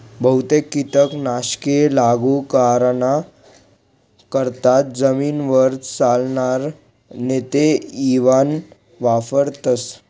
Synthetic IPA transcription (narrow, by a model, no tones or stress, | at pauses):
bʱəwt̪ekːit̪əknaɕkelaɡukaɾna | kəɾt̪at̪̚d͡zəmiːnʋəɾt̪t͡salnaɾ | net̪eiʋan | ʋafəɾt̪əs